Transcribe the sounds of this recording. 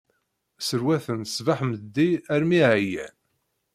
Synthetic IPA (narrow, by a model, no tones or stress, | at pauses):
səɾwæθənsvaħməd̪ːiæɾmiʕjæ̰n